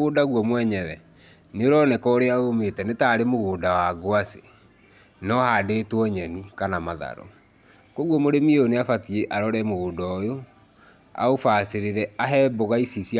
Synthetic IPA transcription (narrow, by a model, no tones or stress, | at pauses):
oːdaɣwɔmwɛɲɛðɛ | neoɾɔnɛkɔoɾeaometɛnetaːɾemoɣoːdawaɡoase | nɔhadeːtwɔɲɛnikanamaða̰ɾɔ̰ | koɣwɔmoɾemieoneafatieʔaɾɔɾɛmoɣoːdɔjo | a̰ofaseɾeɾɛaɦɛːboɣaisisia